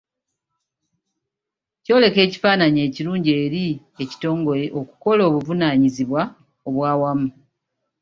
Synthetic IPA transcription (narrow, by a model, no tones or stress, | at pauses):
co̞ːle̞ke̞ːci̥faːnaɲe̞ːciɾuːɲɟe̞ːɾi | eci̥to̞ːŋɡo̞ɾe̞ʔoku̥ko̞lo̞ːβuvunaːɲiziβwa | o̞βwaːwamu